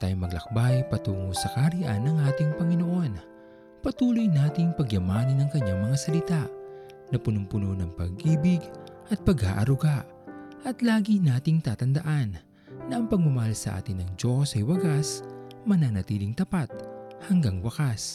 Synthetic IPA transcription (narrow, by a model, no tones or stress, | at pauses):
t̪ajmɐɡlɐ̰k̚bajpɐt̪uːŋosɐkaɾɪʔa̰nːɐŋʔaːt̪ɪŋpɐŋɪno̞ʔo̞n | pɐt̪uːlojnaːt̪ɪŋpɐɡjɐmaːnɐnɐŋkɐɲːaŋmɐŋasɐlɪt̪aʔ | nɐpʊnʊmpʊnonɐŋpɐ̰ɡʔiːbɪɡʔɐt̪̚pɐɡa̰ːʔɐ̰ɾʊɡaʔ | ʔɐt̪laːɡinaːt̪ɪŋt̪aːt̪ɐnd̪ɐʔanː | ɐʔɐŋpɐɡ̚mʊmɐhalsɐ̰ʔa̰ːt̪ɪnɐŋd͡ʒo̞sɐjwɐɡasmɐnanɐt̪iːlɪŋt̪ɐpat̪̚hɐŋɡaŋwɐkas